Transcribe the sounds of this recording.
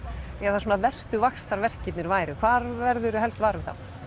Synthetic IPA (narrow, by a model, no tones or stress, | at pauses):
ɛɣaθaɾsuːnavɛr̥st̪ʏvakst̪aɾvɛr̥cɪt̪nɪɾvaːjɾʏkʰvaːɾvɛɾðʏɾʏɦɛlst̪vaːɾʏmθa̰w